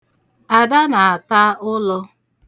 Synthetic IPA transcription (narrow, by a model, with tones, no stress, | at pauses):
a˨da˦na˨a˨ta˦ʔʊ˦lɔ˦